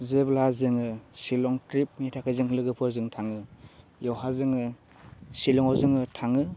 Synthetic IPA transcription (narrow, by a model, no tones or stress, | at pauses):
zeblazɯŋɯsilɔŋtɾip̚mitʰakʰajzɯŋlɯɡɯpʰɯzɯŋtʰaŋɯ | jɔwɦazɯŋɯ | silɔŋɔzɯŋɯtʰaŋɯ